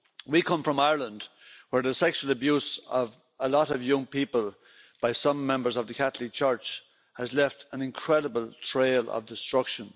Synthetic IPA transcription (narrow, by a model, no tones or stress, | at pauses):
wikʰʌ̃ɱfɹʌ̃maɪəɹlə̃nd | wə˞ðəsɛkʃwəl̩əbjʉsʌv | əlɔɾʌvjʌ̃ŋpʰipəlˠ | b̥aɪsʌ̃mːɛ̃mbə˞zʌvðəkʰaθl̩it͡ʃʰɜ˞t͡ʃ | həzlɛftə̃nɪ̃nkʰɹ̥ɛɾəbəlˠtʰɹ̥eɪlə̰vdɪstɹ̥ʌkʃə̃n